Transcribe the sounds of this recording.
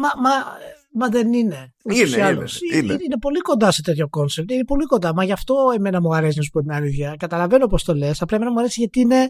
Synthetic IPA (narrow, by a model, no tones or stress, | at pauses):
mɐmɐ | mɐðe̞nine̞uosiɐlosiine̞po̞liko̞nd̪ɐse̞t̪e̞t̪ço̞ko̞nsep̚t̪ine̞po̞liko̞nd̪ɐmɐʝɐft̪o̞e̞me̞nɐmuɐɾe̞sinɐsu̥po̞t̪inɐliðʝɐkɐt̪ɐlɐve̞nopost̪o̞le̞sɐplɐeme̞nɐmuɐɾe̞siʝɐt̪iine̞